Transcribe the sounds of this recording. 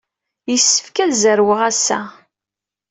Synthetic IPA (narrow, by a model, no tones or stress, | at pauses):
jəsːə̥fkæðzəɾwəʁæsːæ̰